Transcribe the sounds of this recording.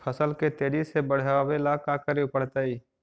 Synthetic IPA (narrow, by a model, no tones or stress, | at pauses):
pʰəsəlket̪eːɾisebəɽ̤awelaːkaːkəɾeʊpəɽ̤t̪aiː